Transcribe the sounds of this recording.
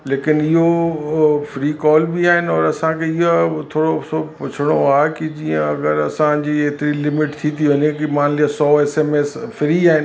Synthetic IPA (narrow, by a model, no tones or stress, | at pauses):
leːkɪnɪɦo | fɾiːkɔːlbiaːɦɪnɪ̆ɔːɾɐsãkʰeɪɦot̪ʰoːɽosopʊt͡ɕʰɪɽ̃oaːɦekid͡ʑiːə̃ɐɡəɾɐsãd͡ʑiːeːt̪ɪɾilɪmɪʈt̪ʰit̪ʰiʊɲẽkimaːnliasɔːeːseːmeːsfɾiaːɦɪn